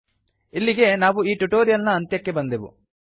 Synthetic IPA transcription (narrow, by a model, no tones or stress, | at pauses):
ilːiɡe̞naːʋuiːʈuʈoːɾijɐlnɐːnt̪jɐkːe̞bɐnd̪eʋṵ